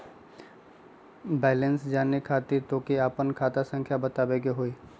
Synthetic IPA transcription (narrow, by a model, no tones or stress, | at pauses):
bɛːlensd͡ʒaːnekʰaːt̪it̪oːkiaːpənkʰaːt̪asə̃ŋkʰjabət̪aːbeɡeɦoiː